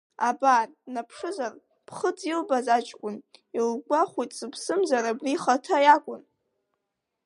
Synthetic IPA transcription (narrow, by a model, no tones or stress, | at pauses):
abarnapʰʂɨzar | pʰχəd͡zilbazat͡ʃʼkʷʼʊnilɡʷaχʷijtʼsɨpʰsɨmzaɾabriχatʰajakʷʼʊn